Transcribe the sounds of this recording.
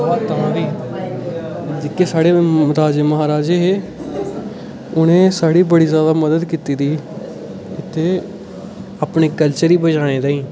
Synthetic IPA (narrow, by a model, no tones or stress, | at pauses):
t̪əãːʋiː | d͡ʒɪkːeːsaːɽeːɾaːd͡ʒeːməɦaːɾaːd͡ʒeːɦeː | ʊnẽːsaːɽiːbəɽiːzjaːd̪aːməd̪əd̪kiːt̪iːd̪iː | ɪt̪ʰːeː | aːpɳeːkəlt͡ʃəɾiːbəd͡ʒaːɽ̃eːd̪aːĩː